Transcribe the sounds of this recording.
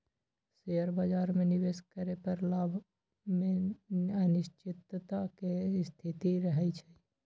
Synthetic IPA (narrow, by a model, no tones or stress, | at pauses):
seəɾbaːd͡ʒaːɾmẽnɪʋeskəɾepəɾlabʱ | mẽənɪʃt͡ʃɪt̪t̪akest̪ʰit̪iɾəɦəit͡ʃʰɛ